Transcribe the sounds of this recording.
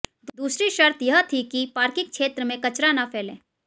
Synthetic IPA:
d̪uːsɾiʃɐɾt̪jɐɦət̪ʰikipaːɾkɪk̚t͡ʃʃʰeːt̪ɾəmẽkɐt͡ʃɾanapʰeːlḛ̃ː

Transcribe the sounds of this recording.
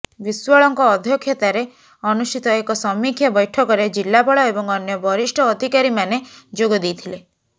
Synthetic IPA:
biswɔɭɔŋkɔːd̪ʱjɔkʰjɔt̪aɾe | ɔnusʈit̪ɔekɔsɔmːikʰːjɔbɔjʈʰɔkɔɾed͡ʒilːapɔɭɔebɔŋɔnjɔbʱɔɾisʈʰɔːd̪ʱikaɾimaned͡ʒoɡɔd̪ejt̪ʰile

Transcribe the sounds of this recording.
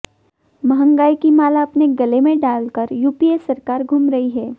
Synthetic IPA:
mɐɦə̃ŋɡaːikimaːlaɐpneɡɐlemẽɖaːlkəɾjuːpiesɐɾkaːɾɡʱumɾɐɦiɦɛː

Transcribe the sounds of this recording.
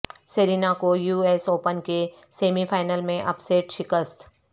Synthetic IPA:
seːɾiːnakojuːeːsoːpənke | seːmifʰaːɪnəlmẽʔɐpseːʈʃɪkəst̪

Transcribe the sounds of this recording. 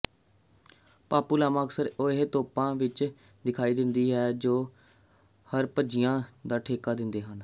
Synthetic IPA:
paːpuːlaːmaːksəɾoɦet̪oːpãːʋɪt͡ʃ | d̪ɪkʰaːiːd̪ɪnd̪iːɦɛːd͡ʒoː | həɾpəd͡ʒɪjãːd̪aːʈʰeːkaːd̪ɪnd̪eːɦən

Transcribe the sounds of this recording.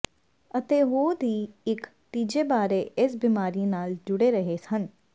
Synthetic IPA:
ət̪eːɦoːd̪ʱiːɪkt̪iːd͡ʒeːbaːɾeːʔɪs̬bimaːɾiːnaːld͡ʒʊɽeːɾəɦeːsən

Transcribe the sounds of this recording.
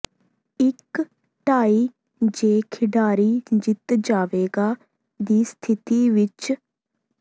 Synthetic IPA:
ɪk | ʈaːiː | d͡ʒeːkʰɪɖaːɾiːd͡ʒɪt̪d͡ʒaːʋeːɡaː | d̪iːst̪ʰɪt̪iːʋɪt͡ʃ

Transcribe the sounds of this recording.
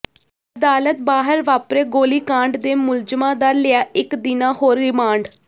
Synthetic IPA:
əd̪aːlət̪̚baːɦəɾʋaːpɾeːɡoːliːkãːɳɖd̪eːmʊld͡ʒəmãːd̪aːlɪjaːɪkd̪ɪnãːhoːɾːɪmaːɳɖ

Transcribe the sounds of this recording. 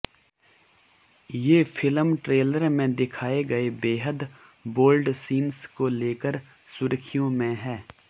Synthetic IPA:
jeːfʰɪlmʈɾeːləɾmẽd̪ɪkʰaːeɡɐebeːɦəd̪ | boːlɖsiːnskoleːkəɾ | sʊɾəkʰijõmẽɦɛː

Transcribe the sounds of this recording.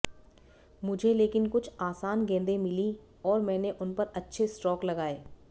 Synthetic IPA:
mʊd͡ʒʱeleːkɪnkʊt͡ʃʰaːsaːnɡẽːnd̪emɪli | ɔːɾmɛ̃ːneʔʊnpɐɾɐtːʃʰesʈɔːklɐɡaːeː

